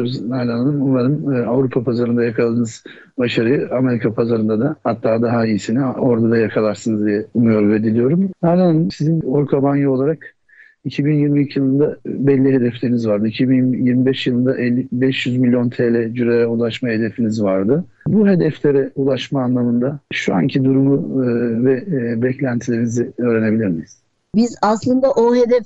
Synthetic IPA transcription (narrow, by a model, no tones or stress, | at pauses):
ɾuznalʲanalˠɯmuvaɾɯmavɾupʰapʰazaɾɯnd̪ajakʰalˠad̪ɯːnɯz̥ | baʃaɾɯjɯame̞ɾikʰapʰazaɾɯnd̪ad̪ahat̪ʰːaːd̪aɦaijisinio̞ɾd̪ad̪ajakʰalˠaɾsɯnɯzd̪ijɛumujoɾvɛd̪ilʲijo̞ɾumnalʲanalˠmsizinoɾkʰabanjio̞lˠaɾak | icʰibinjiɾmiːcʰijɯlˠɯnd̪abɛlʲːiɦe̞d̪ɛflʲe̞ɾinizvaɾd̪ɯicʰibinjiɾmibɛʃjɯlˠɯnd̪aʔɛlʲːibɛʃjyzmilʲːjo̞nt̪ʰelʲɛd͡ʒyɾeɾɛulˠaʃmahe̞d̪e̞finizvaɾd̪ɯ | buɦe̞d̪ɛflʲe̞ɾɛulˠaʃmaːnlˠamɯnd̪aʃua̰ncʰid̪uɾumuvɛbɛclʲænt̪ʰilʲeɾiniziø̞ːɾene̞bilʲiɾmiiz̥ | bizaslˠɯnd̪aʔoɦe̞d̪ɛf